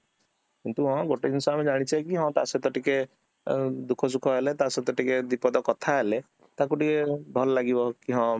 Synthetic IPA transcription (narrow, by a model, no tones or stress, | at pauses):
kint̪uɦɔ̃ɡoʈed̪insaamed͡ʒaɽ̃it͡ʃʰajkiɦɔ̃t̪a̰set̪ɔʈike | d̪ukʰɔs̬ukʰɔɦelet̪aset̪ɔʈiked̪ipɔd̪ɔkɔt̪ʰaɦele | t̪akuʈikebʱɔlɔlaɡibɔkiɦɔ̃